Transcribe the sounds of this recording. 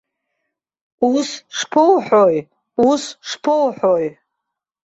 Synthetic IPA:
usʂpʰɨlħoj | usʂpʰɨlħoj

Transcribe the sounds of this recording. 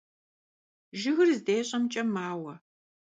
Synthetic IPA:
ʒɪɣɨrzdeːɕʼɐmt͡ʃʼɐmaːwɐ

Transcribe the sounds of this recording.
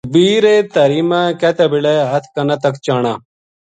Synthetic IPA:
biːɾet̪ɐɾiːmãːket̪ɐbileɦɐt̪ʰkɐnɐt̪ɐkt͡ɕaːɳaː

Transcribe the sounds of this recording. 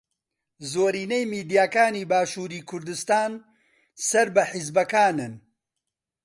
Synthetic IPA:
zoːɾiːnejmiːd̪ijaːkaːniːbaːʃuːɾiːkʰʊɾd̪ɨst̪aːn | sɐɾbɐħɪzbɐkaːnɨn

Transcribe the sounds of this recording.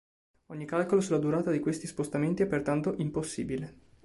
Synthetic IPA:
oɲːikalkolosulːad̪uɾaːt̪ad̪ikwest̪ispost̪ament̪iɛpːert̪ant̪oʔimposːḭːbile

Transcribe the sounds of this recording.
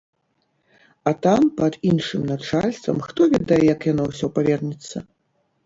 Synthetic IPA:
at̪ampɐd̪inʂɨmnat͡ʂalʲst̪vɐ̰mxt̪ɔvʲɛd̪ajɛjɐkjanɔwsʲɔpavʲɛrnʲɛt̪sːɐ

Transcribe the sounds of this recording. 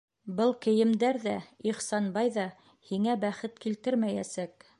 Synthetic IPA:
bɤlˠkɘ̆jɘ̆md̪æɾðæiχsɑnbɑjðɑ | hiŋæbæχɘt̪kilt̪ɘɾmæjæsæk̚

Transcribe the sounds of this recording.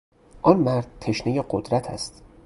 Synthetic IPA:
ʔɒnmæɾd̪̚t̪ʰe̞ʃnejeɢod̪ɾæt̪ʰæ̰st̪

